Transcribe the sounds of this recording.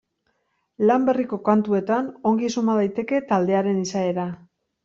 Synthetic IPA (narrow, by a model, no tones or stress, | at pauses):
lambe̞riko̞kant̪ue̞t̪ano̞ŋɡisumaðajt̪e̞ke̞t̪ald̪e̞aɾe̞nisae̞ɾa